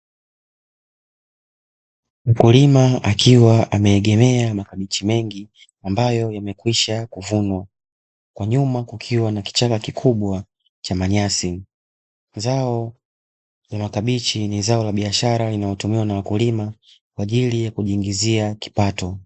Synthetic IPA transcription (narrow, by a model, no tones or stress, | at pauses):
m̩kulimaakʰiwaʔamɛːɠɛmɛamakaɓit͡ʃimɛŋɡi | ambajɔjamɛkwiʃakuvunwa | kwaɲumakukʰiwanaki̥t͡ʃakakikʰuɓwa | t͡ʃamaɲasi | zaɔ | lamakaɓit͡ʃinizaɔlaɓiaʃaɾalinajɔtumiwanawakulima | kwaʄilijakuʄiːŋɡiziaki̥patɔ